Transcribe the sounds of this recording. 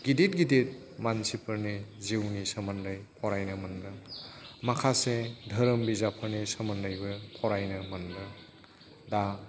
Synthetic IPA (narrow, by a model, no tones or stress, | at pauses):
ɡ̥idit̚ɡidit̚ | mansipʰəɾniziwnisɐmɐndɐjpʰɔɾajnɐmɐndɐmakʰasedʱɐɾəmbizapʰəɾnisɐmɐndɐjbɯpʰɔɾajnɐmɐndɯ | da